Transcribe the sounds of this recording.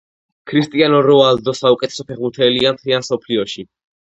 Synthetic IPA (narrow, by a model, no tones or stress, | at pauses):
kʰɾist̪ʼianɔɾɔald̪ɔsaukʼɛt̪ʰɛ̥sɔpʰɛʁbuɾt̪ʰɛliamt̪ʰliansɔpʰliɔʃi